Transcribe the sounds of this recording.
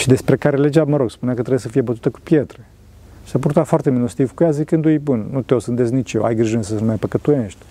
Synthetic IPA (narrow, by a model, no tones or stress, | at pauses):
ʃid̪e̞spɾe̞kaɾe̞le̞d͡ʒaməɾo̞ɡspuneakət̪ɾebjesəfije̞bət̪u̥t̪əku̥pjet̪ɾe̞ | i̥sapuɾt̪at̪foart̪e̞minost̪ivkujazikɨnd̪ujbunnut̪eo̞sɨnd̪esknit͡ʃjewa̰jɡɾiʒnsəsənumajpəkət̪ujeʃt̪ʲ